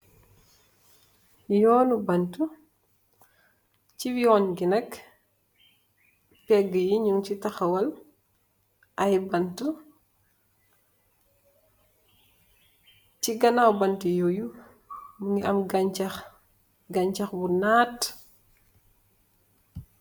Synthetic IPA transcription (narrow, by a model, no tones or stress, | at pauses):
jɔːnubɐntu | ciwiɔːnɡinɐk | pɛɡəjiɲuŋcitɐxɐwɐl | ʔɐjbɐntu | t͡ʃiɡɐnawbɐntujoju | muŋɡiʔɐmɡat͡ʃɐx | ɡɐɲt͡ʃɐxbunaːt